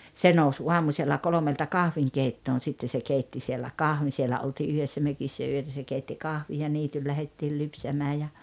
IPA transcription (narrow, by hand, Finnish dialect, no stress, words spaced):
se nous uɑmuselːɑ kolomeltɑ kɑhʋiŋkeitːoːn̞ sitːe se keitːi sielːæ kɑhʋin sielæ oltiː yhesːæ møkisːæ yøtæ se keitːi kɑhʋij jɑ niːtyl læhetːiːl lypsæmæː jɑ